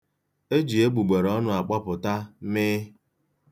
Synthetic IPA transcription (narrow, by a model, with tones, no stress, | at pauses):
e˦d͡ʒi˨e˦ɡ͡bu˨ɡ͡be˨ɾɔ˦nʊ˦a˨k͡pa˦pʊ˨ta˦mɪː˦